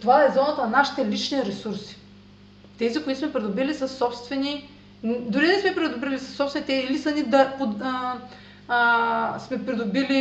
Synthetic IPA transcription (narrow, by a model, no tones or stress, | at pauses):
t̪ovaɛzɔnət̪nɐnaʃi̥t̪ɛlit͡ʃniɾɛsuɾsi̥ | t̪ɛzikʊit̪ʊsmɛpɾɛd̪obilisəsːɔpst̪vɛni | d̪ʊɾid̪ɛsmɛpɾid̪obɾilisɐ̥sːɔpsvɛnit̪ɛiilisɐnid̪ɐpo | smɛpɾid̪obili